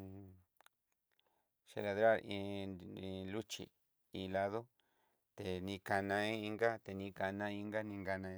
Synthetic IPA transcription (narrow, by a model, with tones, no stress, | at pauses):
ʃḛ˧la˧ðɾa˦˨ɾĩ˧ĩ˧lu˦t͡ʃḭ˨ | ĩ˧la˧ðo˦ | t̪e˧nĩ˧ka˧nã˧i˦i˧ŋɡa˦t̪e˨nĩ˧ka˧nã˧ĩ˧ŋɡa˦nĩ˧ŋɡa˧nã˧